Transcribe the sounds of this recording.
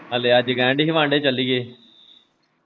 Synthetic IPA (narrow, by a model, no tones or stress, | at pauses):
ɦəleːəd͡ʒɡɛ̃ːɳɖɦiʋãːɳɖeːt͡ʃəlːiːɡeː